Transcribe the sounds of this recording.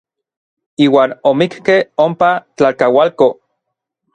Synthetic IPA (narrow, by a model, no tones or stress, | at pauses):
iːwaːnomikkehompat͡ɬakawalko